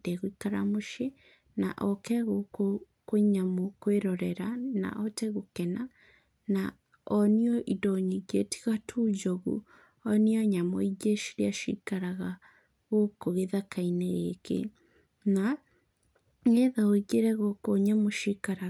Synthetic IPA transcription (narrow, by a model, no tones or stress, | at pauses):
deɣoikaɾa̰moʃe | na̰ʔɔkɛɣoko | koɲamokweɾɔɾɛɾana̰ʔɔtɛɣokɛna | na | ɔniɔʔidɔɲiɡeti̥ɣatʰud͡ʒɔɣṵ | ɔniɔɲamɔiɡeʃiɾjaʃḭkaɾaɣa | ɣokoɣeðakaineɣekḛ | na | ŋeðaoiɡeɾɛɣokoɲamoʃikaɾa